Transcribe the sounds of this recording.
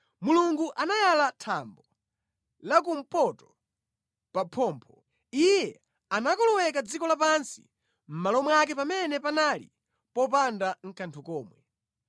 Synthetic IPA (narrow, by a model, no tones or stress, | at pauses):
muluŋɡuʔanajalatʰambɔ | lak̬um̩pɔtɔ̥ | papʰɔːmpʰɔ | ijɛ | anakɔlɔwɛkad͡zikɔlapansi̥̰ | m̩malɔmwak̬ɛpamɛnɛpanalḭ | pɔpandaŋ̩kʰantʰɔkɔːmwɛ